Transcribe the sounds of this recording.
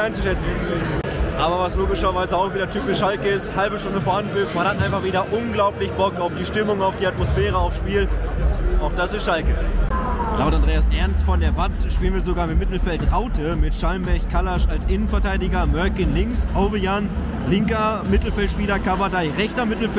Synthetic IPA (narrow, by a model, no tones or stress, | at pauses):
aɪnt͡su̥ʃɛt͡sn̩ | ʔaːbɐvasloːɡɪʃɐvaɪzəaʊxv̥iːdɐtʰyːpɪʃʃalkəɪsthalbəʃtʊndəfoːanfɪftmanhatʔaɪnfaχviːdɐʔʊnɡlaʊplɪçb̥ɔkaʊfd̥iːʃtɪmʊŋaʊfd̥iːatmosfɛːʁəaʊfʃpiːl | ʔaʊxd̥asɪstʃalkə | laʊtandʁeːasʔɛɐnstfɔndeːɐvat͡sʃpiːlənviːɐzoɡaːɐmɪmːɪtl̩fɛltʁaʊtʰəmɪtʃalmbɛçkʰalaʃalsʔɪnənfɛɐtaɪdɪɡɐmœɐkɪnlɪŋsʔoʊvəjan | lɪŋkɐmɪtl̩fɛltʃpiːlɐkʰavadaɪʁɛçtɐmɪtl̩f